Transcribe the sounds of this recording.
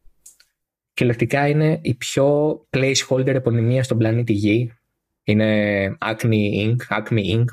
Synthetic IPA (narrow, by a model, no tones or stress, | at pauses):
ce̞lɐkt̪ikɐine̞ipço̞pleisxo̞lid̪eɾepo̞nimiɐst̪o̞mblɐnit̪iʝi | ine̞ɐkniiŋɡɐkmiiŋɡ